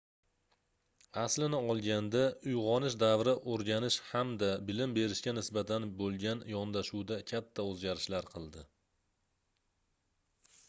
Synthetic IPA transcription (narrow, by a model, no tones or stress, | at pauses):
aslɪnɪɒlˠɡʲand̪aʊjʁɒnɪʃd̪avɾɪʔoɾɡʲanɪʃhamd̪abɪlɪmbe̞ɾɪʃkʲanɪsbat̪ʰanbolˠɡʲanjɒnd̪aʃuwd̪akʲʰat̪ʰːaɵzɡʲaɾɪʃlaɾqʰɨlˠd̪ɪ